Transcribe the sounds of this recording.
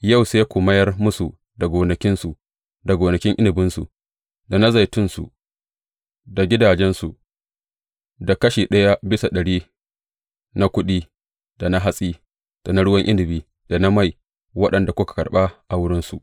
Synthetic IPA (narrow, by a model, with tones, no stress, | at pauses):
ja˦˨wse˦kʷʊ˨mɐ˦jɐ˦rmʊ˦su˨ | da˨ɡʷoː˨nɐ˨kʲɪ˦nsu˨ | da˨ɡoː˨nɐ˨kʲɪ˦ŋʔɪ˦nɪ˨bɪ˦nsṵ˨ | da˨na˦za˨jtʊ˦nsṵ˨ | da˨ɡʲɪ˦daː˨d͡ʒɛ˦nsu˨ | da˨kɐ˦ʃiː˨ɗɐ˦ja˦bɪ˦sa˨ɗɐ˨ɽiː˦ | na˦kʷʊ˦ɗiː˦ | d̥a˨na˦ɦa˦sʼiː˦ | d̥a˨na˦ɽʊ˦wɐ˦ŋʔɪ˦nɪ˨biː˦ | d̥a˨na˦ma˦˨j | wɐ˦ɗɐ˨nda˨kʷʊ˦kḁ˨kɐ˨rɓa˦ʔa˨wʊ˦ɽɪ˦nsu˨